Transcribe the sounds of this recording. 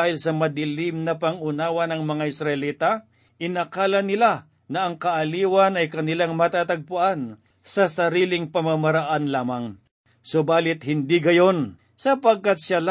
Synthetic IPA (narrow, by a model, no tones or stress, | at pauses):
hɪlsɐmɐd̪ɪlɪmnɐpɐŋʊnaːwɐnɐŋmɐŋaʔɪsɾɐʔɪliːt̪a | ʔɪnɐkaːlɐnɪla | nɐʔɐŋkɐʔɐliːwɐnɐjkɐnɪlaŋmɐt̪at̪ɐɡ̚pʊʔan | sɐsɐɾiːlɪŋpɐmamɐɾaʔanlaːmɐŋ | sobaːlɪt̪̚hɪnd̪iɡɐjo̞n | sɐpɐɡ̚kat̪̚ʃal